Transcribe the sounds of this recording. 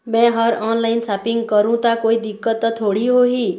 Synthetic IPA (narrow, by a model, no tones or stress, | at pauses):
mɛ̃ɦʌɾɔnlajnsapiŋɡkʌɾũt̪akoid̪ikːʌt̪ːʌt̪ʰoɽiɦoɦi